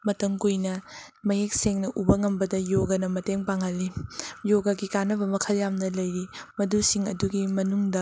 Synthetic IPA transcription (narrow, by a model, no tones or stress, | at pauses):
mɐtɐŋkujnɐmɐjek̚seŋnɐʔubɐŋɐmbɐdɐjoɡɐnɐmɐteŋpaŋɐlːijoɡɐɡikanɐbɐmɐkʰɐljamnɐlɐjɾimɐdusiŋɐduɡimɐnuŋdɐ